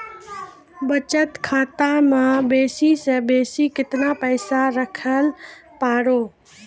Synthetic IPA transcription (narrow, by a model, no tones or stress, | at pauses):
bət͡ʃət̪kʰaːt̪amãbeːsisə̃beːsikɪt̪napəɪsaɾəkʰəlpaːɽoː